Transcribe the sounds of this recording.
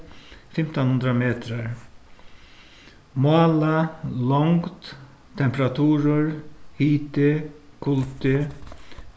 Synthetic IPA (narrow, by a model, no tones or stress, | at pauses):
fɪmt̪ɔnhʉnd̪ɾameːt̪ɾaɾ | maːlalɔŋkt̪ | t̪ʰːɛmpɾat̪ʰuːɾəɾhiːt̪ɪkʰʊlt̪ɪ